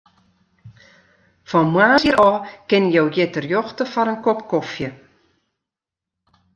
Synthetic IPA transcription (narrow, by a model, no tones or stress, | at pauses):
fɔmwaːsiəɾɔːkɪnəjowjɪtərjɔxtəfɔɾənkɔpkɔfjə